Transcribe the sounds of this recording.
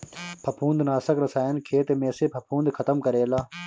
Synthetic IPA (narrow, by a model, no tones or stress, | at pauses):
pʰɐpʰũːnd̪naːsəkɾɐsaːjənkʰeːt̪emẽːseːpʰɐpʰũːnd̪kʰɐt̪əmkəɾeːlaː